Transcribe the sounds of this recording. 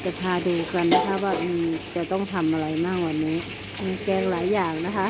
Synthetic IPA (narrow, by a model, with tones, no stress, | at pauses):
t͡ɕa˨˩pʰaː˧duː˧ka˧nːa˦˥kʰa˦˥waː˧˥˩ʔɯː˧˩t͡ɕa˨˩t̪ɔ˥˩ŋt̪ʰa˧mʔa˧ɾa˧jmaː˥˩k̚waː˨˩nːiː˦˥˩ | ʔɯː˧˩kɛː˧˥˩ŋlaː˩˦jːaː˨˩ŋna˦˥kʰa˦˥